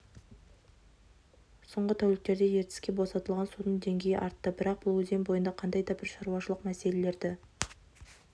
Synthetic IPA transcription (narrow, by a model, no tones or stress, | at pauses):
soɴʁət̪ʰæwlɪk̚t̪e̞ɾd̪e̞je̞ɾt̪ɪ̥skʲe̞bo̞sɑt̪əlˠʁɑnsud̪əɴd̪e̞ŋɡʲe̞jɪʔɑɾt̪ːəbɪɾɑq̚bʊlˠwɵzembo̞jənd̪ɑqʰɑnd̪ɑjd̪ɑbɪɾʃɑɾuwɑʃəlˠəqmæse̞le̞le̞ɾd̪ɪ